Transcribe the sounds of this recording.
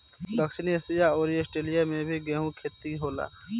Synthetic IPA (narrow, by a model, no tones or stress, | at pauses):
d̪əkʃɪnisɪjaɔːɾeːsʈɾeːlijamẽbʱiɡɛːɦũkʰeːt̪ːiɦoːla̰ː